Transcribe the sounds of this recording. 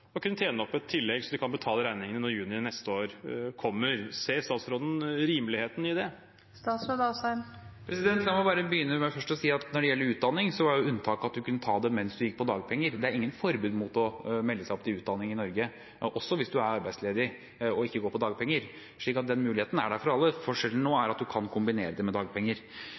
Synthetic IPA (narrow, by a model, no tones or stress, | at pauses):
ɔkʰʉnːət̪ʰjeːnəɔpːɛt̪ʰːɪlːɛɡsɔd̪ɛkʰɑnbət̪ʰɑːləɾæɪnɪŋənənɔɾjʉːnɪnɛst̪əoːɾkʰɔmːəɾseːst̪ɑːt̪sɾoːd̪n̩ɾiːmlɪheːt̪n̩ɪd̪ɛ | st̪ɑːt̪sɾod̪ɑsɑɪmpʰɾɛsɪd̪ɛnt̪sɑːmɑbɑːɾəbəjʏnːəmæɪfœʂʈɔsiːɑt̪nɔɖɛjɛlːəɾʉːt̪̚d̪ɑnːɪŋsɔʋɑjʊʉnːt̪ʰɑːkɑt̪̚d̪ʉkʰʉnːət̪ʰɑːd̪ɛmɛnsd̪ʉjɪkːpɔd̪ɑːɡ̚pʰɛŋːəɾd̪ɛæɾɪŋːənfɔɾbʉːd̪mʊt̪ɔmɛlːəsæɪɔpt̪ɪʉːt̪̚d̪ɑnːɪŋɪnɔɾɡə | ʔɔsːɔʋɪsd̪ʉæɾɑɾbæɪd̪sleːd̪ɪ | ɔɪkːəɡoːpɔd̪ɑːɡ̚pʰɛŋːəɾ | ʂɭiːkɑt̪̚d̪ɛnmʉːlɪheːt̪n̩æɖæɾfɔɾɑlːəfɔʂɛln̩noːæɾɑt̪̚d̪ʉkʰɑnkʰʊmbɪnḛːɾəd̪ɛmɛd̪ɑːɡ̚pʰɛŋːəɾ